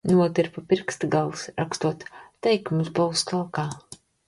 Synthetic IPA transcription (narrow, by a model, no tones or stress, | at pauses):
nuɔt̪iɾpapʲiɾkst̪ɡalˠsɾakst̪uɔt̪ːɛjkumsbuwskalˠkaː